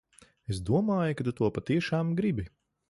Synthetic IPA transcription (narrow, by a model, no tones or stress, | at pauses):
es̬d̪uɔmaːjukad̪ut̪uɔpat̪iɛʃaːmɡɾibi